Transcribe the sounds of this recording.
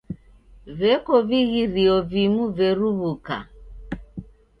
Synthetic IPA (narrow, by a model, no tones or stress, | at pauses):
vɛkɔviɣiɾiɔvimuvɛɾuβuka̰